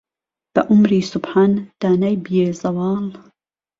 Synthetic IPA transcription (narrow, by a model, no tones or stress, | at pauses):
b̥ɐ̰ʔʊmɾiːsʊbħaːnd̪̥aːnajbijeːzɐwɑːl